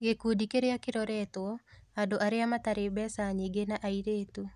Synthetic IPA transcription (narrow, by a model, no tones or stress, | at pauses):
ɣekudikeɾeakeɾɔɾɛtwɔadoʔaɾeamataɾebɛsaɲiɡenaʔaiɾeːtu